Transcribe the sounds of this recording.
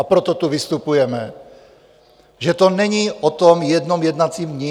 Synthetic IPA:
apɾɔt̪ɔt̪uvist̪upujɛmɛ | ʒɛt̪ɔnɛɲiːʔɔt̪ɔmjɛd̪nɔmjɛd̪nat͡siːmɲɛ

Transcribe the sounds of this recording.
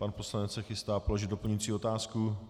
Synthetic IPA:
panpo̞slanɛt͡ssɛxɪst̪aːpo̞lo̞ʒɪd̪do̞pl̩ɲuit͡siːo̞t̪aːsku

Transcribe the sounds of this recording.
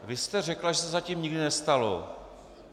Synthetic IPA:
vɪst̪ɛrɛklaʒɛsɛzaciːmɲɪɡdɪnɛst̪alo̞̰

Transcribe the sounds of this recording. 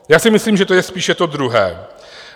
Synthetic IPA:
jaːsɪmɪsliːmʒɛt̪ojɛspiːʃɛt̪od̪ɾuɦɛ̰ː

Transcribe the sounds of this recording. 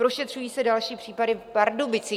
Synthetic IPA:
ɾo̞ʃɛt̪r̝̥ujiːsɛdalʃiːpr̝̥iːpadɪfpaɾdobɪt͡sɪ

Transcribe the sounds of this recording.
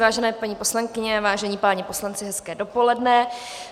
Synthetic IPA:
vaːʒɛnɛːpaɲiːpo̞slaŋkɪɲɛvaːʒɛɲiːpaːɲɛpo̞slant͡sɪɦɛskɛːdo̞po̞lɛdnɛ

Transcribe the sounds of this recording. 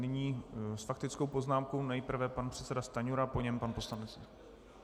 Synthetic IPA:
nɪɲiːsfak̚t̪ɪt͡skowpo̞znaːmko̞wnɛjpr̩vɛpanpr̝̥ɛt̪t͡sɛdast̪aɲuɾapo̞ɲɛmpanpo̞slanɛt͡s

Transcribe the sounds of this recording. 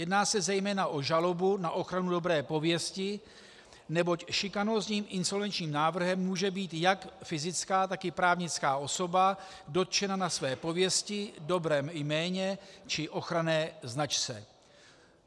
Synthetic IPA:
jɛdnaːsɛzɛjmɛːnaʔo̞ʒalo̞bunaʔo̞xɾanudo̞bɾɛːpo̞vjɛscɪ | nɛbo̞cʃɪkano̞zɲiːmʔɪnso̞lvɛnt͡ʃɲiːmnaːvr̩ɦɛmːuːʒɛbiːt̪jakfɪzɪt͡skaːt̪akɪpɾaːvɲɪt͡skaːʔo̞so̞ba | do̞t̪t͡ʃɛnanasvɛːpo̞vjɛscɪdo̞bɾɛːmjmɛːɲɛt͡ʃɪʔo̞xɾanɛːznat͡ʃt͡sɛ̰

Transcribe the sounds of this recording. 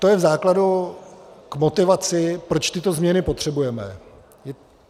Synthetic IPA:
t̪o̞jɛvzaːkladu | kmo̞t̪ɪvat͡sɪpɾo̞t͡ʃt̪ɪt̪o̞zmɲɛnɪpo̞t̪r̝̥ɛbujɛmɛ̰ | jɛ

